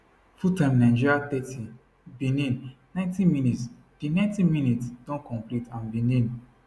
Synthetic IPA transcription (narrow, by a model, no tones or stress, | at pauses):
futãmnãɪ̃d͡ʒiɹiat̪ɛtʰi | bĩnĩn | nãj̃ntĩmĩnits | d̥inãntĩminitsdɔ̃nkʰɔ̃mplitãnbĩnĩn